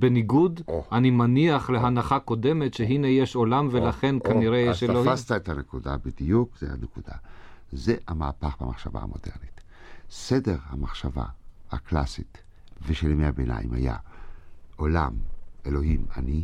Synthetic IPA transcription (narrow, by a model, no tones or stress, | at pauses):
beniɡudʔanimaniaχleɦanaχako̞de̞me̞tʃeɦinejeʃo̞lamvelaχe̞nkaniʁejeʃelohast̪aet̪anekudabidijukzḛa̰nekud̥̪a̰zehamaːpaχbamaχʃava̰ha̰mo̞̰dḛʁnit̪ | sedeʁhamaχʃava̰ha̰kla̰sit | veʃelmehabena̰imha̰ja̰ | o̞la̰melo̞ɦimani